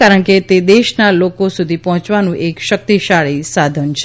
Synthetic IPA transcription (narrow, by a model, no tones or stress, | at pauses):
kaɾəɳket̪ed̪eʃnalokosud̪ʱipɔɦɔ̃t͡ʃʋanũʔekʃək̚t̪iʃaɭisad̪ʱənt͡ʃʰ